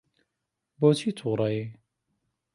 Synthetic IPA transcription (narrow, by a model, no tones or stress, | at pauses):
boːt͡ʃʰit̪ʰuːɾˤɑje